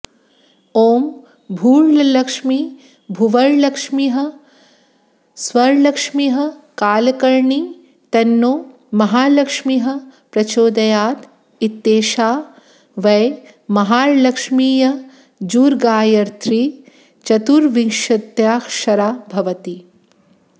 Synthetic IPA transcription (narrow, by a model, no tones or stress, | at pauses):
oːm | bʱuːɭlɐlɐkʂmi | bʱuʋɐɭlɐkʂmiɦɐ̆ | swɐɾlɐkʂmiɦɐ̆kaːlkɐɾɳi | t̪ɐnːoː | mɐɦaːlɐkʂmiɦɐ̆pɾɐt͡ʃoːd̪ɐjaːt̪ | it̪ːeːʃaː | ʋɐj | mɐɦaːɾlɐkʂmiːjɐ | d͡ʒuːɾɡaːjɐɾt̪ʰɾi | t͡ʃɐt̪uɾʋiŋʃɐt̪jaːkʃɐɾaːbʱɐʋɐt̪i